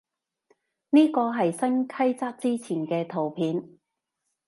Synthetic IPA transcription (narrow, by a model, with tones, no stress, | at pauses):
niː˥kɔː˧ɦɐ˨jsɐ˥nkʰɐ˥jt͡saː˥k̚t͡siː˥t͡sʰiː˨˩nkɛː˧t̪ʰo˨˩wpʰiː˨˧n